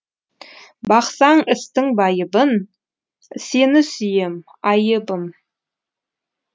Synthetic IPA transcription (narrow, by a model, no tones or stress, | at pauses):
bɑqsɑɴɪst̪ɪŋbɑjəbən | se̞nɪsʏjem | ɑjəbəm